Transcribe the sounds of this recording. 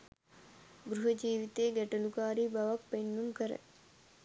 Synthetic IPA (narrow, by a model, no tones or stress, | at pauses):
ɡɾuɦəd͡ʒiːʋit̪eːɡæʈəlukaːɾiːbaʋak̚penːuŋkəɾə̰